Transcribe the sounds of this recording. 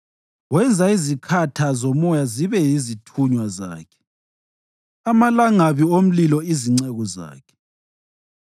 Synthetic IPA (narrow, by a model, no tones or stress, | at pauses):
wɛnd͡zʱaizikʰatʰazomɔjaziβɛjizitʰuɲwaza̰ːkʰɛ̥ | amalaŋaβiom̩lilɔiziŋ͡ǀɛɣɔza̰ːkʰɛ̥